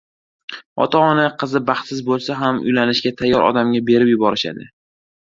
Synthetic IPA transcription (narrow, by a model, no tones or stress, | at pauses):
ɒ̰t̪ʰaɒnaqʰɨzɪbɑχt̪sɪzbolˠsaɦamʊ̰jlanɪʃɡʲat̪ʰajːɒɾʔɒ̰d̪amɡʲabe̞ɾɪpjʊbɒɾɪʃa̰d̪ɪ̰